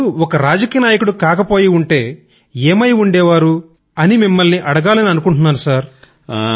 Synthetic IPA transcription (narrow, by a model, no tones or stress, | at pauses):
uɔkɐɾaːd͡ʒɐkiːjɐnaːjɐkuɽukaːkɐpo̞ːjiuɳʈe̞ː | eːmɐjuɳɖɛːʋaːɾu | ɐnimimːɐlniʔɐɽɐɡaːlɐniɐnukuɳʈunːaːɾusaːɾ